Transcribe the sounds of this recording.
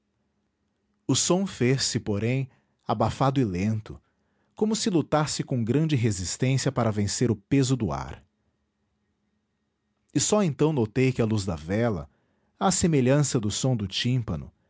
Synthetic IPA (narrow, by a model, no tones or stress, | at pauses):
ʊsõfesɪpoɾẽj̃ | abafad̪ʊɪlẽnt̪ʊ | kõmʊsɪlut̪asɪkõw̃ɡɾɐ̃d͡ʒɪɦezist̪ẽsiɐpaɾɐvẽseɾʊpezʊd̪ʊa̰ɾ | ɪsɔẽnt̪ɐ̃w̃not̪ejkɪɐluzd̪ɐvɛlɐ̰ | ɐsemeʎɐ̃sɐd̪ʊsõd̪ʊt͡ʃĩpɐnʊ̰